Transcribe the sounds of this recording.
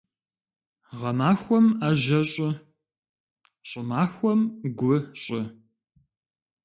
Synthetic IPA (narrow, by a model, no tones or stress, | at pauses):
ʁɐmaːxʷɔmaːʑɐɕʼɪ | ɕʼɪmaːxʷɔmɡʷʊɕʼɪ